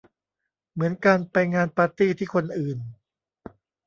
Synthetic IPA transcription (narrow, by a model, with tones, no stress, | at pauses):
mɯ˩˦ənkaː˧npa˧jŋaː˧npaː˧t̪iː˥˩t̪ʰiː˥˩kʰo˧nʔɯː˨˩n